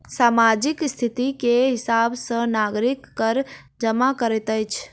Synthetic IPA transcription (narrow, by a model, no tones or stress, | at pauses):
samad͡ʒikst̪ʰit̪ikeɦisabsə̃naɡɾikːəɾ | d͡ʒəmakəɾɛt̪əjt͡ʃʰ